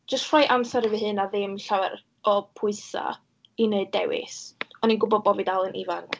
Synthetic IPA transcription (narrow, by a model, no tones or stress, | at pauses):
d͡ʒ̥əstʰr̥ɔjʔamsaɾəvɨɦɨnaðɪmɬawɛɾ | ɔpʰʊɨsa̰ | ineɨdɛ̰wɪ̰sɔninɡʊbɔd̚bɔvidalˠənʔḭvank